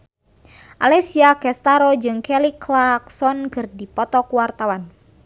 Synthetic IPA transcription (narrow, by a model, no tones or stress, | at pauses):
ʔalɛsiakɛst̪aɾɔd͡ʒɨŋkɛliklaksɔnkɨrdipɔt̪ɔkuwart̪awan